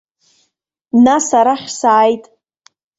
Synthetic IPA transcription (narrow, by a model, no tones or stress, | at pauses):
nasaɾaχʲsaːjtʼ